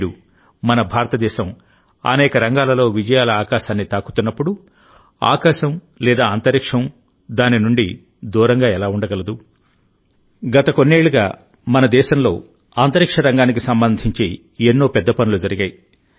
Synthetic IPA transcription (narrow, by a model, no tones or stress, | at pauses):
ɽu | mɐnɐbʱaːɾɐt̪ɐd̪ɛːʃɐm | ɐ̰nɛːkɐɾɐŋɡaːlɐlo̞ːʋid͡ʒɐjaːlɐaːkaːʃaːnːit̪aːku̥t̪unːɐpːuɽu | a̰ːkaːʃɐm | lɛːd̪aːnt̪ɐɾikʂɐm | d̪aːninuɳɖi | d̪uːɾɐŋɡaːɛlaːuɳɖɐɡɐlɐd̪u | ɡɐt̪ɐko̞nːeːɭuɡa̰ː | mɐnɐd̪ɛːʃɐmlo̞ː | aːnt̪ɐɾikʂɐɾɐŋɡaːnik̬isɐmbɐnd̪ʱiɲt͡ʃeː | enːo̞ːpɛd̪ːɐpɐnulud͡ʒɐɾiɡɐːji